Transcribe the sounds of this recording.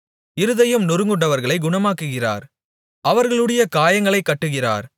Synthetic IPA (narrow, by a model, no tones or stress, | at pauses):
ɪɾɯðɐjɯmnʊɾɯŋɡɯɳɖɐʋɐɾɣɐɭɐɪɡʊɳɐmaːkːɯɣɪra̰ːɾ | ɐʋɐɾɣɐɭɯɽɐjɐkaːjɐŋɡɐɭɐɪkːɐʈːɯɣɪra̰ːɾ